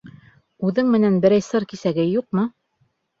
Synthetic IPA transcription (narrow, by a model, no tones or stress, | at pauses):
ʉðɘŋmɘ̆nænbɘ̆ɾæjsɤɾkisæɡɘjuq̚mɤ